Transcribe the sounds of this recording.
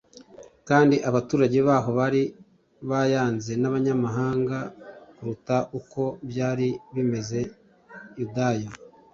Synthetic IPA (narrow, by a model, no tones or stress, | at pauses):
kaːndiʔaβatuːɾaɟe̞βaːɦo̞βaɾi | βajaːnze̞naβaɲamaɦaːŋɡakuɾutaʔuko̞bjaːɾiβime̞ze̞ | judaja